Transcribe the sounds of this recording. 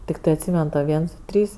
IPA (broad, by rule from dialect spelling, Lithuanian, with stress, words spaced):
tʲɪkˈtɜ ɐtʲˈsʲiːmʲɛn toː ˈʋʲiɛns ˈdʊ ˈtʲrʲiːs